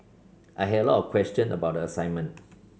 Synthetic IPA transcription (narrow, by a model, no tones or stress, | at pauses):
ʔaɪɦɛdəlɔtɔvkʰwɛst͡ʃə̃nʔə̰bawt̚dəəsãɪ̃nmə̃nt